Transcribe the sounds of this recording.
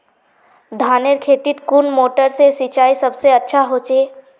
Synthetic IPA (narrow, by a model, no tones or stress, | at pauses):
d̪ʱaːneɾkʰeːt̪it̪kunmoːʈəɾsesit͡ʃaːisɐbseɐtːʃʰaɦoːt͡ʃeː